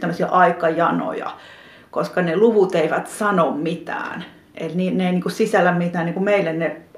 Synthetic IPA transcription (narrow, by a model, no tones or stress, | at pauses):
t̪æmːøsiɑʔɑikɑjɑno̰jɑ̰ | koskɑneluʋut̪eiʋæt̪sɑnommit̪æ̰ːn | ʔḛlniːneiniːkusisælːæmmit̪æːnniŋkumeilːenne